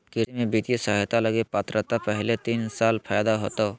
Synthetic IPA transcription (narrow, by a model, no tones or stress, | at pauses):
kɪimẽbit̪jsaɦt̪aləɡepat̪ɾət̪apɛɦlet̪iːnsaːlpʰaːjd̪aɦoːt̪a